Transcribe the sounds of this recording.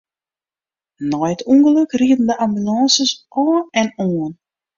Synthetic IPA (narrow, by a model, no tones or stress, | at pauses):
nɔjətʰuŋɣələkriətn̩dəʔambylɑ̃ːnsəsɔːnɛnoːən